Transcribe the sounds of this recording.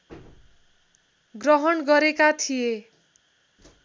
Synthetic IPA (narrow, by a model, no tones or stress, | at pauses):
ɡrʌɦʌnɡʌɾekat̪ʰije